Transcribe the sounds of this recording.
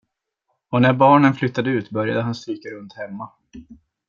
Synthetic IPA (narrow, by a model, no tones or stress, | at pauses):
ɔnæɾbɑːɳənflʏt̪ːad̪əʉ̟ːt̪bœɾja̰d̪əɦanst̪ɾyːkaɾɵnt̪hɛmːa